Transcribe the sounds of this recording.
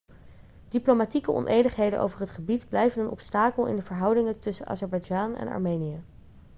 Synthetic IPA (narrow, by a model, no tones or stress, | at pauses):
d̥iplowmatikəʔɔ̰nʔejdəχɦejdə̰nʔo̰wvəɹɦətχəbidblɛjvənənɔpstaːkəlˠɪ̰ndəvəɹɦɑwdɪŋətɵsəʔɑ̰ːzɛɹbɑjd͡ʒaːnɛ̰nɑ̰ɹmejniə